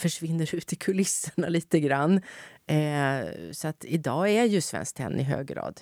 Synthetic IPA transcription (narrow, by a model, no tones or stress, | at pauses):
fœʂvɪnːəɾʉ̟ːt̪ɪkʰɵlɪsːəɳaliːt̪əɡɾanː | sɔat̪ʰɪd̪ɑːæɾjɵsvɛ̰nsk̚t̪ʰɛ̰nːʔɪɦø̰ːɡɾɑ̰ːd̪